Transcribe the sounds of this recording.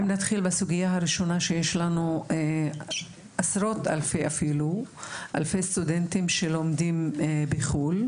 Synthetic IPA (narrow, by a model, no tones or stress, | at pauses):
mnat̪χilbasuɡijaɦaɾiʃo̞naʃejeʃlanu | ʔasɾo̞t̪a̰lfejʔafiluʔa̰lfejst̪udent̪imʃelo̞mdimbiχul